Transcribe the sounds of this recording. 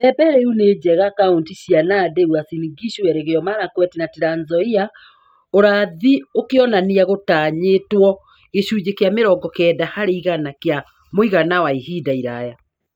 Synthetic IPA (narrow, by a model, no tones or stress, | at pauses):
ɛbɛɾɛuned͡ʑɛɣakauntiɕianadeɣwasiniɡiʃwɛɾeɣeɔmaɾakwɛtinateɾanzɔia | oɾaðiokeɔnaniaɣotaːɲetwɔ | eɕud͡ʑekeameɾɔɡɔkɛːdahaɾeiɣanakja | moiɣanawaihidaiɾaja